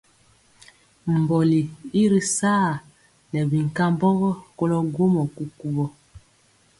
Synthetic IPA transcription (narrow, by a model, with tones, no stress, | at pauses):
m̩˨bɔ˨li˨i˦ɾi˨saː˦˨ | nɛ˨bi˨ŋ˨ka˦mbɔ˦ɣɔ˦ko˦lɔ˦ɡo˦mɔ˨ku˦ku˦bɔ˦